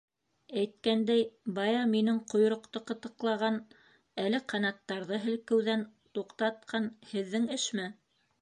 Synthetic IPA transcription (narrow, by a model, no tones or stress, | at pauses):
æjt̪̚kænd̪æjbɑjɑminɘŋqŏj̆ɾŏqt̪ɤqɤ̆t̪ɤ̆qlˠɑʁɑn | ælɘqɑnɑt̪ːɑɾðɤɦɘ̆lkɘ̆wðænt̪uqt̪ɑt̪̚qʰɑnhɘ̆ðːɘŋɘ̆ʃmæ